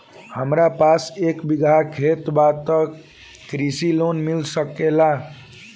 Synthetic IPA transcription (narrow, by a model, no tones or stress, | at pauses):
həmɾapasekbiɡʱakʰet̪bat̪ə | kɾisilonmilsəkela